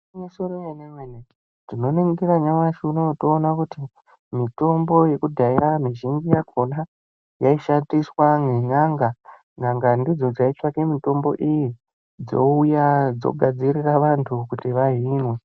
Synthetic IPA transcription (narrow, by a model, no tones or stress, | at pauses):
misoɾojeneŋwene | tino̞neŋɡiɾaɲawaʃunotoːnakuti | mito̞mbo̞je̞kudʱairamiʒiŋɡijakʰona | jaiʃandiswaŋɡeɲaŋɡa | ŋaŋɡandid͡zo̞d͡zait͡ʂakemito̞mbo̞̰ʔiji | d͡zo̞̰ujad͡zo̰ɡʱad͡ziriraʋantʰukutiʋaɦinwe